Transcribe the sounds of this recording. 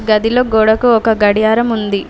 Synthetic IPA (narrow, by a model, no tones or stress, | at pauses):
ɡɐd̪ilo̞ːɡoːɽɐkuɔkɐɡɐɽijaːɾɐmund̪i